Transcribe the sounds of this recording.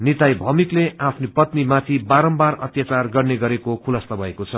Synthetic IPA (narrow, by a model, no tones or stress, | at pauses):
nit̪ajbʱʌmikleʔapʰnipʌt̪nimat̪ʰibaɾʌmbarʌt̪jat͡sarɡʌrneɡʌɾekokʰulʌst̪ʌbʱʌekot͡sʰʌ